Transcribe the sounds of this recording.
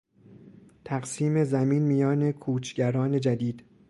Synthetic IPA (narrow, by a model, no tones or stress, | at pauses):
t̪ʰæɢsiːme̞zæmiːnmijɒːne̞kʰuːt͡ʃʰɟæɾɒːne̞d͡ʒæd̪iːd̪̥